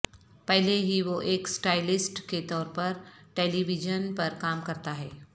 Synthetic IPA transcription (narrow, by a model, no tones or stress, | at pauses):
pɛɦleɦiʋoʔeːksʈaːɪlɪsʈket̪ɔːɾpɐɾʈeːliʋɪd͡ʒənpɐɾkaːmkɐɾt̪aɦɛː